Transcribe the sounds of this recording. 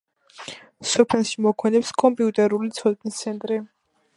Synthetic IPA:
sɔpʰɛlˠʃimɔkʰwɛnɛpskʼɔmpʼiut̪ʼɛɾulit̪sʰɔd̪nist̪sʰɛnt̪ʼɾi

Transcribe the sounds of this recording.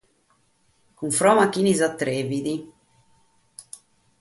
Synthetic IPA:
kuɱfɾɔːmakinizat̪ːɾeːvid̪i

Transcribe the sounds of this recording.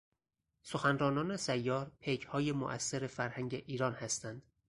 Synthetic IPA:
soxænɾɒːnɒːne̞sæjːɒːɾpʰechɒːjemo̰ʔæsːeɾefæɾhæŋɟeʔiːɾɒːnhæst̪ænd̪̥

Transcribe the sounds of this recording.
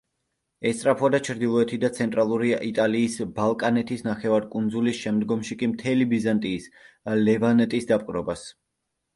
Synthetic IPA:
ɛst̪sʼɾapʰɔad̪at͡ʃʰɾd̪ilˠɔɛt̪ʰid̪at̪sʰɛnt̪ʼɾalˠuɾiʔit̪ʼaliːsbalˠkʼanɛt̪ʰisnaχɛvaɾkʼund̪zulisʃɛmd̪ɡɔmʃikʼimt̪ʰɛlibizant̪ʼiːs | lɛvanɛt̪ʼisd̪apʼqʼɾɔbas

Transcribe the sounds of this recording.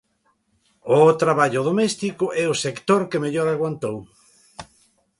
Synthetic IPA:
ot̪ɾaβaʎʊðomɛst̪ikʊʔɛʊsekt̪oɾkemeʎoɾaɣwant̪ow

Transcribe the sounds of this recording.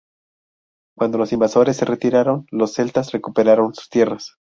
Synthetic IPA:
kwand̪o̞lo̞simbaso̞ɾe̞sːe̞re̞t̪iɾaɾo̞nlo̞sːe̞lt̪asre̞kupe̞ɾaɾo̞nsu̥st̪je̞ras

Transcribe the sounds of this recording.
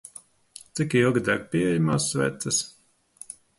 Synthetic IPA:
t̪sikilˠɡid̪aɡ̚pʲiːɛjamaːsvʲɛ̰ːt̪ɐs

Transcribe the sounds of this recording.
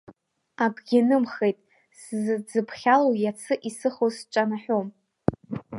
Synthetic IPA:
akʼɡʲɪnɨmχejtʼ | szɨd͡zɨpʰχʲalowjat͡sʰɨʔisɨχost͡ʃʷʼanaħᶣom

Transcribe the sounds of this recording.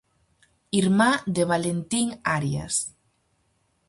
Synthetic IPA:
iɾmad̪eβalent̪iŋaɾja̰s

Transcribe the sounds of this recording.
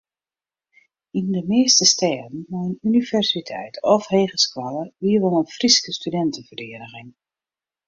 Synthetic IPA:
indəmɪːstəstɛːdən̩mɔjənynivɛrsitʰɛ̰jtɔfheːɣəskwaləʋiəʋonənfriskəstydɛntənfərdɪədəɣɪŋ

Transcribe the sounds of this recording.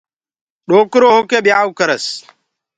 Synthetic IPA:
ɗoːkʊɾoːɦʊkeɓjaːwkɐɾɐs

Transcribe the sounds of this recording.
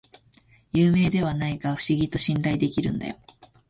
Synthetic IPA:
jɯːme̞ːd̪e̞β̞anaiɡaɸɯ̟̥ɕiɡʲit̪o̞ɕĩnɾaid̪e̞kʲiɾɯ̟̰̃nd̪a̰jo̞

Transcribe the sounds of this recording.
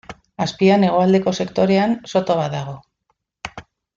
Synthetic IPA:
aspiane̞ɣ̞o̞ald̪e̞ko̞se̞kt̪o̞ɾe̞anso̞t̪oβaðaɣ̞o̞

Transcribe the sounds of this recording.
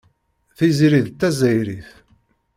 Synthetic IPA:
θiziɾiðt̪ːæzæjɾiθ

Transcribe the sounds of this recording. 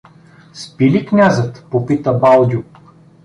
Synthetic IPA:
spiliknʲazət̪popit̪əbalˠd̪ʲuk

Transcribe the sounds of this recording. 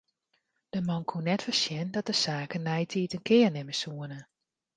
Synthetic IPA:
d̥əmɑnkʰunɛtfərsjɛndɔt̚dəsaːkənːɛjtʰiːtənkʰɪːərnɪməsuənə

